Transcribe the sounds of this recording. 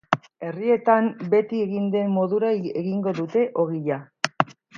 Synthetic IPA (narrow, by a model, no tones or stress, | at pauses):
e̞rie̞t̪ambe̞t̪ieɣind̪e̞mːo̞ðuɾaeɣiŋɡo̞ðut̪e̞ʔoɣiʎa